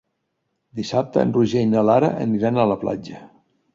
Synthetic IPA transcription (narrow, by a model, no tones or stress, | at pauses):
d̪isap̚t̪əə̰nruʒejnəlaɾəʔə̰niɾanələpla̰d͡ʒə